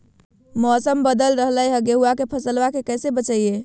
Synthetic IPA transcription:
mɔsəmbəd̪əlɾəɦləjɦəɡeɦuakepʰəsəlʋakekɛjsebət͡ʃəije

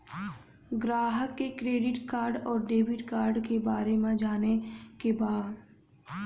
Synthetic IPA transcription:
ɡɾaːɦəkːekɾeːɖɪʈkaːɾɖɔːɾɖeːbɪʈkaːɾɖkebaːɾemẽd͡ʒaːnekebaːd̪

